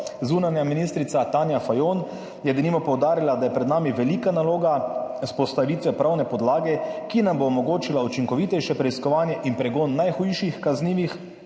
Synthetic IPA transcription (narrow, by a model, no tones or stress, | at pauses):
zuːnanjaminist̪ɾit̪sat̪aːnjafajoːn | jɛd̪nimɔpɔwd̪aːɾilad̪ajɛpɾɛd̪naːmiʋɛliːkanaloːɡaspɔst̪aʋiːt̪ʋɛpɾawnɛpɔd̪laːɡɛkinamboːmɔɡoːt͡ʃilaut͡ʃiŋkɔʋiːt̪ɛjʃɛpɾɛiskɔʋaːnjɛʔinpɾɛɡoːnːajxujʃixkazniːʋix